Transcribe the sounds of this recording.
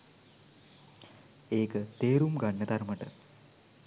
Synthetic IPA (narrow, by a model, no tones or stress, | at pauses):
eːkɨt̪eːɾumɡɐɳːɐt̪ɐrmɐʈːɨ